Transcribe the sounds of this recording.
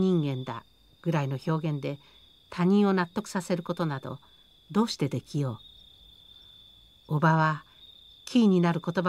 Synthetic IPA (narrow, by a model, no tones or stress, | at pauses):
ɲĩŋɡẽ̞nd̪a̰ | ɡ̥ɯ̟ɾaino̞ço̞ːɡẽ̞nd̪e̞ | t̪ʰaɲ̟ĩɰ̃o̞nat̪ːo̞kɯ̟̥sase̞ɾɯ̟ko̞t̪o̞nad̪o̞̰ | d̪o̞ːɕi̥t̪e̞d̪e̞kʲijo̞ː | obaβa | kʲiːɲ̟inaɾɯ̟ko̞t̪o̞ba